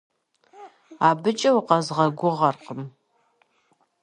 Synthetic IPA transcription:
aːbɨt͡ʃʼɐwqɑzʁɐɡʷʊʁɐrqəm

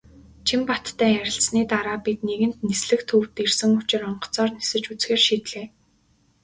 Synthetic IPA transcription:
t͡ɕʰimpat̪ʰːæːjæɾʲɪ̆ɬt͡sniːt̪aɾaːpit̪neɣɘ̆n̥t̪nesɮɘ̆xt̪ʰuwt̪irsɘ̆ŋʊt͡ɕɪ̆rɔɴɢɞ̥̆t͡sɔːrnesɘ̆t͡ɕut͡sxeːrʃiːt̪ɮeː

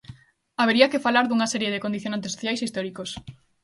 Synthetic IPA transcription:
aβeɾiɐkefalaɾðuŋɐsɛɾjeðekond̪iθjonant̪̬esoθjajsist̪ɔɾikos

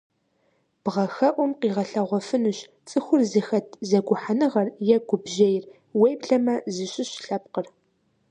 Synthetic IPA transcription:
b̥ʁɐxɐʔʷʊmqiːʁɐɬɐʁʷɔfɨnuɕ | t͡sʼɨxʷʊrzɨxɐtʰzɐɡʷʊħanɨʁɐrjɛɡʷʊbʒɐjɪr | wejbɬɐmɐzɨɕʼɪɕɬɐp̚qər

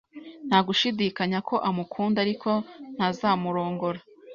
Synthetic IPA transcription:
n̥haɡuʃidikaɲakʰo̞ʔamukʰuːndaɾikʰo̞n̥hazaːmuɾo̞ːŋɡo̞ɾa

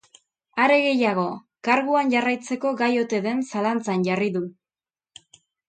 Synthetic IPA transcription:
aɾe̞ɣe̞jaɣ̞o̞ | kaɾɣuanʝarajt͡se̞ko̞ɡajo̞t̪e̞ðe̞nsalant͡sanʝariðu

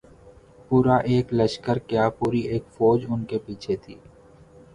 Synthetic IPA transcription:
puːɾaʔeːklɐʃkəɾkjaːpuːɾieːkfɔːd͡ʒʊnkepiːt͡ʃʰet̪ʰiː

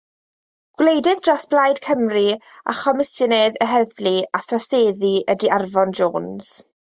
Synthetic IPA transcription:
ɡ̥wlejdɪðdrasb̥lˠajdkʰəmri | a̰χɔmɪsənɛðəɦɛðliaθrɔseːðiədiarvɔnd͡ʒoːns

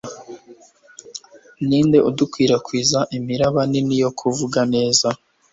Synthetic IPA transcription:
niːnde̞ʔudukwiːɾakwiːzaʔimiɾaβaninijo̞kʰuvuɡane̞ːza

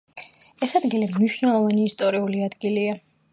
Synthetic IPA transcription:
ɛsad̪ɡilimniʃnɛlˠɔvaniːst̪ʼɔɾiuliad̪ɡilia

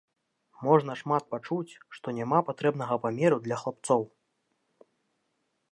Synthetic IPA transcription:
mɔʐn̪ɐʂmat̪̚pat͡ʂut͡sʲʂt̪ɔnʲamapat̪ɾɛbnɐɣɐpamʲɛɾud̪lʲɐxlˠap̚t̪sɔw

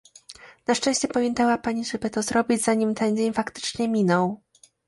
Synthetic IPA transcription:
naʂt͡ʂɛ̃w̃ɕt͡ɕɛpamʲjɛnt̪awapaɲiʐɛbɘt̪ɔzɾɔbʲid͡ʑzaɲimt̪ɛnd͡ʑeɲfakt̪ɘ̥t͡ʂɲɛmʲinɔw

